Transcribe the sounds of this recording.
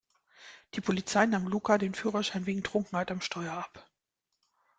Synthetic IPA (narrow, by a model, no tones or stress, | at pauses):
d̥iːpʰolit͡saɪnaːmluːkadeːnfyːʁɐʃaɪnveːɡŋ̩tʁ̥ʊŋkŋ̩haɪtamʃtʰɔʏɐap